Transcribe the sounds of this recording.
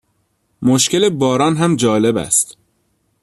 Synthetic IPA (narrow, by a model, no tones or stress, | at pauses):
moʃcelebɒːɾɒːnɦæmd͡ʒɒːle̞bæ̰st̪